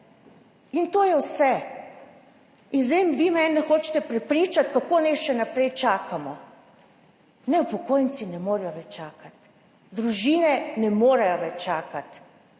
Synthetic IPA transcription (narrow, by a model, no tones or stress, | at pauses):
int̪oːjɛwsɛ | inzemʋiːmɛnːɛxoːt͡ʃt̪ɛpɾɛpɾit͡ʃat̪kakoːnɛʃɛnapɾɛjt͡ʃaːkamɔ | nɛwpɔkoːjnsinɛmoːɾjɔʋɛt͡ʃaːkat̪ | d̪ɾuʒiːnɛnɛmoːɾajɔʋɛt͡ʃt͡ʃaːkat̪